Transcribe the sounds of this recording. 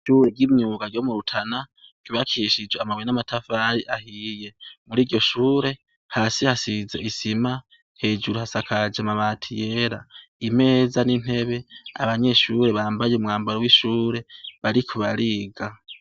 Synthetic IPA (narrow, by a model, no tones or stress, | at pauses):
ʃuɾeɟimɲuːɡaɾjo̞muɾutʰana | ɡ̥iβakʰiʃid͡ʒweamaβwenamatʰafaɾiʔahije̞muɾiːɾɟo̞ʃuːɾe̞ | haːsihasizeisima | he̞ːd͡ʒuɾuhasakʰad͡ʒamaβatʰije̞ɾa̰ime̞ːzanin̥he̞βe̞a̰βaɲe̞ʃuɾe̞βaːmbajeumŋaːmbaɾowiʃuːɾe̞βaɾikʰuβaɾiɡa